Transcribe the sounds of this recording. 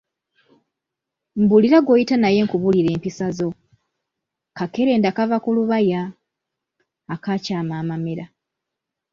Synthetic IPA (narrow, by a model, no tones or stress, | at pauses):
m̩buliɾaɡo̞ːjitanaje̞ŋkuβuliɾe̞ːmpisazo̞ | kake̞ɾe̞ːndakavakuluβaja | kacaːmaːmameɾa